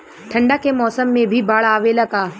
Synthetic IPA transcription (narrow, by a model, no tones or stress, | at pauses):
ʈʰɐ̃ɳɖakemɔːsəmːẽbʱibaːɭaːʋelɐɡaː